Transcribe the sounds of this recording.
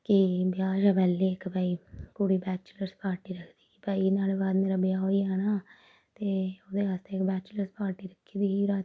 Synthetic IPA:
kɪbjaːʃapɛːlːeːɪkbaːiːkuɽiːbɛːt͡ʃləɾspaːɾʈiːɾəkʰd̪iːibaːiːnaːleːbaːd̪meːɾabɪaːoːiːɛːnaː | t̪eːoːd̪eːʋaːst̪eːkbɛːt͡ʃləɾspaːɾʈiːɾəkʰːiːd̪iːiːɾaː

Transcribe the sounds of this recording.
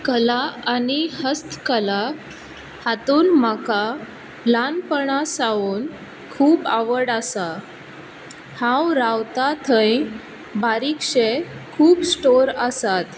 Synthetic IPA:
kəlaanihəst̪kəla | hat̪uːnmaka | lanpəɳasauːn | kʰuːpaʋəɽasa | hãwɾawt̪at̪ʰə̃j | baɾikʂekʰuːpsʈoɾəsat̪

